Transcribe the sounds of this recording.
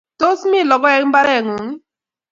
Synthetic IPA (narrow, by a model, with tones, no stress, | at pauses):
to˦smi˦˨lɔ˨ɡɔ˦ɛ˨˦m̩˦ba˦ɾɛ˦˨ŋu˨ŋi˦